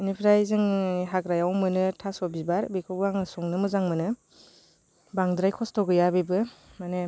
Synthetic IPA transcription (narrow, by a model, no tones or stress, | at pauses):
ɯnipʰiɾajzɯŋɦakɾajawmɯnɯtʰasɔbibaɾbikʰɯaŋɯsɔŋnɯmɯzaŋmɯnɯ | baŋdɾajkʰɔstɔɡɯjabebɯmanɯ